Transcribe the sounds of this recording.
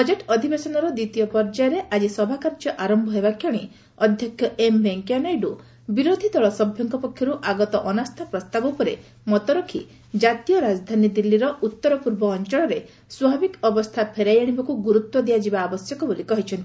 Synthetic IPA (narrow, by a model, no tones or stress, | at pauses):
bbɔd͡ʒeʈɔd̪ʱibesɔnɔɾɔd̪it̪ijɔpɔɾd͡ʒajɔɾeʔad͡ʒisɔbʱakaɾd͡ʒɔʔaɾɔmbʱɔɦebakʰjɔɽ̃i | ɔd̪ʱjɔkʰjɔʔembeŋkjanɔjɖu | biɾod̪ʱid̪ʱɔɭɔsɔbʱjɔŋkɔpɔkʰːjɔɾuʔaɡɔt̪ɔʔɔnast̪ʰapɾɔst̪abɔpɔɾe | mɔt̪ɔɾokʰḭ | d͡ʒat̪ijɔɾad͡ʒd̪ʱanid̪ilːiɾɔʔut̪ːɔɾɔpuɾbɔːnt͡ʃɔɭ̃ɔɾe | swɔabikɔbɔst̪ʰapʰeɾajaɽ̃ibakuɡuɾut̪wɔd̪iad͡ʒibaːbɔsjɔkɔbolikɔɦit͡ʃʰɔnt̪i